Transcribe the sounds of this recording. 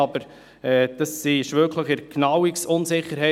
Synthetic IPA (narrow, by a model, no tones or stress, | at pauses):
ɑbəɾ | ɛːd̥ɑsːiʃʋøːkləχəɾknɑwiksʊnsɪχːəɾhɛ